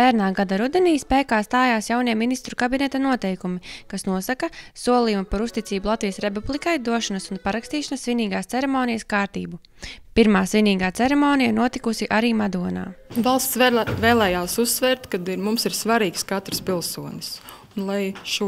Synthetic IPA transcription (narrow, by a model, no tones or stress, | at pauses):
væːɾnaːɡad̪aɾud̪eniːspɛːkaːst̪aːjaːsjawniɛminist̪ɾukabinet̪anuɔt̪ɛjkumikasnuɔsakɐsuɔlˠijumapaɾust̪it̪iːbulˠat̪viːjəsɾep̬ublˠikajd̪uɔʃanɐsunpaɾakst̪iːʃanɐsːviniːɡaːst̪sɛɾemoːnijəskaːɾt̪ḭːbu | piɾmaːsviniːɡaːt̪seɾemoːnijanuɔt̪ikusiʔaɾiːmad̪uɔna̰ːvalˠst̪svɛːlˠɛːjaːsusːvɛːɾt̪kad̪iɾmumsiɾsvaɾiːkskat̪ɾspʲilˠsuɔnʲsunlˠajʃu